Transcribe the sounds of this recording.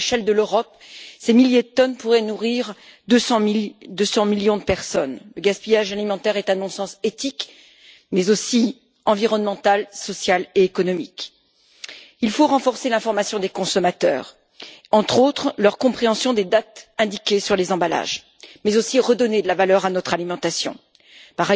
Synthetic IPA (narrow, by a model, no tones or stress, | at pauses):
ʃɛld̪əløʁɔp | semiljed̪ət̪ɔnpuʁɛnuʁiʁd̪øsɑ̃id̪øsɑ̃miljɔ̃d̪əpɛʁsɔnləɡaspijaʒalimɑ̃t̪ɛʁɛt̪anɔ̃sɑ̃set̪ik | mɛzosi | ɑ̃viʁɔnmɑ̃t̪alsɔsjaleːkɔnɔmḭk | ilfoʁɑ̃fɔʁselɛ̃fɔʁmasjɔ̃d̪ekɔ̃sɔmat̪œ̰ːʁ | ɑ̃t̪χot̪χlœʁkɔ̃pχeɑ̃sjɔ̃d̪ed̪at̪ɛ̃d̪ikʲesyʁlezɑ̃bala̰ʒ | mɛzosiʁəd̪ɔned̪əlavalœʁanɔt̪χalimɑ̃t̪asjɔ̰̃ | paʁa